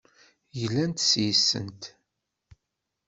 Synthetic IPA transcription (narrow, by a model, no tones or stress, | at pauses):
jəlːænt̪sjisːə̰nt̪